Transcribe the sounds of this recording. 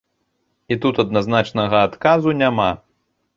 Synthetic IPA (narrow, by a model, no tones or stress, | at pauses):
it̪ut̪ɐd̪naznat͡ʂnɐɣɐat̪kazunʲama